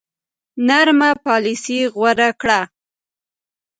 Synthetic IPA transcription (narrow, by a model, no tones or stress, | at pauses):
naɾmapɑlisiɣwaɾakɽa